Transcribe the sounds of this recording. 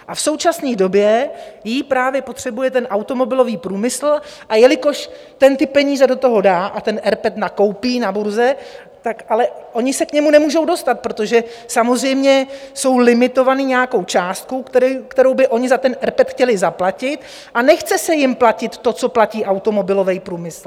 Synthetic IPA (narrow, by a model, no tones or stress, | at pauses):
ʔafso̞wt͡ʃasniːdo̞bjɛjipɾaːvjɛpo̞t̪r̝̥ɛbujɛt̪ɛnʔawt̪o̞mo̞bɪlo̞viːpɾuːmɪsl̩ʔajɛlɪko̞ʃ | t̪ɛnt̪ɪpɛɲiːzɛdo̞t̪o̞ɦo̞daːʔat̪ɛnʔɛɾpɛt̪nako̞wpiːnabuɾzɛ | t̪akʔalɛʔo̞ɲɪsɛkɲɛmunɛmuːʒo̞wdo̞st̪at̪̚pɾo̞t̪o̞ʒɛ | samozr̝ɛjmɲɛso̞wlɪmɪt̪o̞vaniɲɛjako̞wt͡ʃaːst̪̚kokt̪ɛkt̪ɛɾowbɪʔo̞ɲɪzat̪ɛnʔɛɾpɛt̪xcɛlɪzaplacɪt̪ | ʔanɛxt͡sɛsɛjɪmplacɪt̪ːo̞t͡so̞placiːʔawt̪o̞mo̞bɪlo̞vɛjpɾuːmɪsl̩